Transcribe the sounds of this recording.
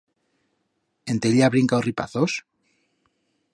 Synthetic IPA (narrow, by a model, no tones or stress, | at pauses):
e̞nt̪eliaβɾiŋkaoripa̰θos